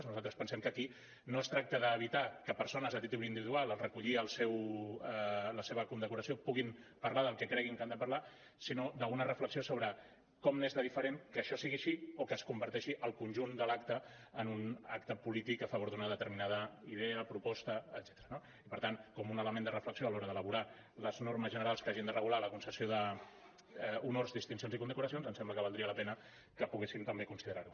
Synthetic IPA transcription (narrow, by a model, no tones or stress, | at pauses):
znuzalt̪ɾəspənsɛmkəki | noəst̪ɾak̚t̪əðəːβ̞it̪akəpəɾsonəzət̪it̪uβɾind̪iβiðualˠəlˠrəkuʎiəlˠsɛw | ləseβəkund̪əkuɾəsiopuɣ̞impəɾlaðəlˠkɛkɾɛɣiŋkand̪əpərla | sinod̪əunərəfləksiosoβɾə | kɔmnezðəðifəɾenkəːʃɔsiɣiəʃiokəːskumbəɾt̪ɛʃiʔəlˠkunʲʒund̪əlakt̪ə | ənunakt̪əpulit̪ikəfəβoɾðunəðət̪əɾminað̞əiðɛəpɾupɔst̪əːd̪zɛ̥t̪əɾəno | ipəɾt̪ankɔmunələmend̪ərəfləksioəlɔɾəðələβ̞uɾa | ləznoɾməzʒənəɾalˠskaʒind̪ərəɣulaləkunsəsioðə | unorzd̪ist̪ins̬ionzikund̪əkuɾəs̬ionzənsɛmbləkəβalˠd̪ɾiələpɛnə | kəpuɣ̞esimt̪əmbekunsiðəɾaɾu